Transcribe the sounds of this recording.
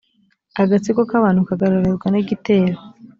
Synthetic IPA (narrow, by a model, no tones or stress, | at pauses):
aɡat͡sikokaβaːn̥ukaɡaɾaɾezɡwaniɡite̞ːɾo